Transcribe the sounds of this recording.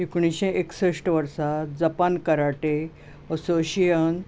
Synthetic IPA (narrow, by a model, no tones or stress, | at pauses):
ikɳ̃iɕẽʔeksəʂʈʋəɾsad͡zəpankəɾaʈe | əsoɕijən